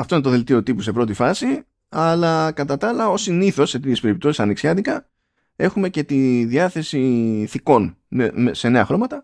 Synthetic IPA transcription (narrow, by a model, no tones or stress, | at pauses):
ɐft̪oinet̪o̞ðe̞lt̪io̞t̪ipuse̞pɾo̞t̪ifɐsi | ɐlɐkɐt̪ɐt̪ɐlɐo̞siniθo̞sːe̞t̪it̪çe̞spe̞ɾip̚t̪oi̥sɐniksçɐðikɐ | e̞xume̞ce̞t̪iðiɐθe̞siθiko̞nnemese̞ne̞ɐxɾo̞mɐt̪ɐ